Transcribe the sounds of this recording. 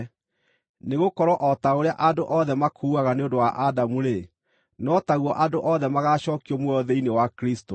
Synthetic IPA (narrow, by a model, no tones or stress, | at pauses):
neɣokɔɾɔʔɔtaoɾeaʔadoʔɔðɛmakʰuːaɣaneondowaʔadamuɾe | nɔtaɣwɔʔadoʔɔðɛmaɣaːɕɔːkiɔmwɔðeinewakɾisto